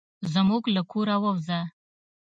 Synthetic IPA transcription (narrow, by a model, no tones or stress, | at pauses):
zəmuɡlakʰoɾawawza